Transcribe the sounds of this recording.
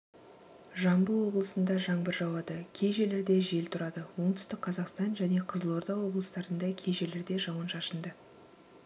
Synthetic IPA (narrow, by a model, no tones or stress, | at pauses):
ʒɑmbəlˠwo̞blˠəsənd̪ɑʒɑɴbəɾʒɑwɑd̪əkʲʰe̞jʒe̞leɾd̪e̞ʒe̞lt̪ʰʊɾɑd̪əwo̞ɴt̪ʰʏ̥st̪ɪk̚qʰɑzɑqst̪ɑnʒæne̞qʰəzəlˠoɾd̪ɑwo̞blˠəst̪ɑɾənd̪ɑkʲʰejʒe̞leɾd̪eʒɑwənʃɑʃənd̪ə